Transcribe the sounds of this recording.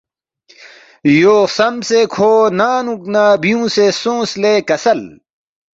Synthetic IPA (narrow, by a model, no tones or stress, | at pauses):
joːsɐmsekʰoːnaːnũknaːbijũːsesõːsleːkɐsɐl